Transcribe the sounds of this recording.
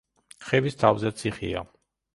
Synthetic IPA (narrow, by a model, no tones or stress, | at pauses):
χɛvist̪ʰavzɛt̪sʰiχḭa̰